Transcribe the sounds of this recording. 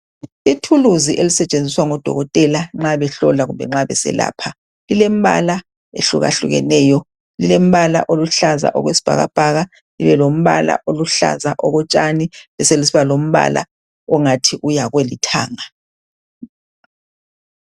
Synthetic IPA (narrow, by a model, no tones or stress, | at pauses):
itʰuluziʔelisɛt͡ʃʼend͡zʱiswaŋɔd̥ʱɔ̰ɣɔtʼɛlaŋ͡ǁaβɛɬɔlaɣumbʱɛ̰ŋ͡ǁaβɛsɛ̰la̰ːpʰa | lilem̩βa̰la | ḛɬuɣa̰ɬuɣɛ̰nɛːjɔ | lilem̩βala̰ʔoluɬaza̰ʔɔ̰ɣwesi̥b̥ʱa̰ɣab̥ʱaɣa | liβɛlom̩βa̰la̰ʔoluɬa̰zaʔɔɣɔt͡ʃʼaniβɛselisiβalom̩βa̰la̰ | ɔŋatʰiʔujaɣwelitʰa̰ːŋa